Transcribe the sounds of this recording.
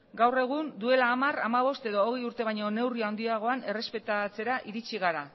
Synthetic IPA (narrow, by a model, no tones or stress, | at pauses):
ɡawre̞ɣ̞und̪ue̞laːmaramaβ̞o̞st̪e̞ðoːɣejuɾt̪e̞β̞ajɲo̞ne̞wriaond̪iaɣ̞o̞ane̞re̞spe̞t̪at͡se̞ɾaʔiɾit͡ʃiɣaɾa